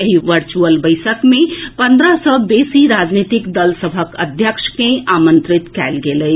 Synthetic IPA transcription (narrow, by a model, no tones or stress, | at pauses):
ɦiʋəɾt͡ʃuəlbəɪsəkmẽpə̃nd̪ɾəsɔbesiɾad͡ʒnit̪ikd̪əlsəbʱəkəd̪ʱjəkʃkẽamə̃nt̪ɾit̪kɛlɡeləj